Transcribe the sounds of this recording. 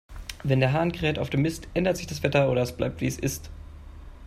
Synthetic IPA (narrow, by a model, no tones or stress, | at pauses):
vɛndeːɐɦaːnɡəʁɛːtaʊfd̥eːmɪstʔɛndɐtz̥ɪçd̥asv̥ɛtɐoːɾɐɛsb̥la̰ɪp̚tv̥iːɛsɪ̰st